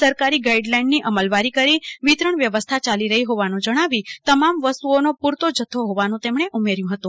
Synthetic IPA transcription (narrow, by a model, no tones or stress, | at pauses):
səɾkaɾiɡaiɖlajɳɖniʔəməlʋaɾikəɾiʋit̪ɾəɳʋjəʋəst̪ʰat͡ʃaliɾəɦiɦoʋanũd͡ʒəɽ̃aʋit̪əmamʋəst̪uonopuɾt̪od͡ʒət̪ʰːoɦoʋanũt̪emɳ̃eʔumeɾjũɦət̪ũ